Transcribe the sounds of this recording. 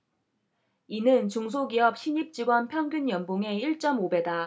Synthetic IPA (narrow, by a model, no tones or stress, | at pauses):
inɯnt͡ɕuŋs̬ʰoɡiɦʌp̚ɕʰiɲip̚t͡ɕ͈iɡwʌnpʰjʌŋɡjunjʌnboŋe̞iɭt͡ɕ͈ʌmobe̞da